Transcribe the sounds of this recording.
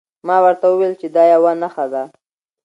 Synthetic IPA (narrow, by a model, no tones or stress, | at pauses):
mɑwəɾt̪awəwelt͡ʃed̪ɑjawanaxad̪a